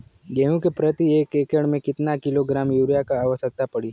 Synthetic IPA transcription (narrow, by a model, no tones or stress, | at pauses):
ɡɛːɦũkepɾɐt̪ieːkeːkəɽ̃mẽkɪt̪nakɪloɡɾaːmjuːɾijakaaːʋəʃək̚t̪apɐɽi